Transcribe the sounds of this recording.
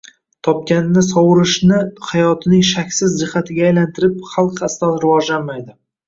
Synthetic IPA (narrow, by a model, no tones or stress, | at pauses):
t̪ʰɒp̚kʲanɪːɪsɒwɾɪʃnɪhajɒt̪ʰɪnɪŋʃakʲsɪzd͡ʒɪhat̪ʰɪɡʲaːjlant̪ʰɪɾɪpχɑlˠqʰast̪anɾɪvɒʒlanmajd̪ɪ